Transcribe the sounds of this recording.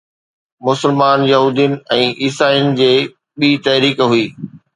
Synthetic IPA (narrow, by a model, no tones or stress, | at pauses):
mʊsɪlmaːnjɐɦuːd̪ijənɪ̆ɛ̃ːʔiːsaːiʊnɪ̆d͡ʑeː | ɓiːt̪ɐɦɾiːkɦuiː